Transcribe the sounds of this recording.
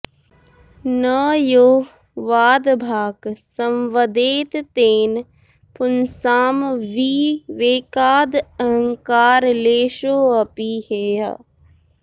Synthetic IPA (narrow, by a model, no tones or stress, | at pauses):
nəjoː | ʋaːd̪bʱaːksɐmʋəd̪eːt̪t̪eːn | pʊnsaːmʋiʋeːkaːd̪ɐɦəŋkaːɾleːʃoːɐpiheːa̰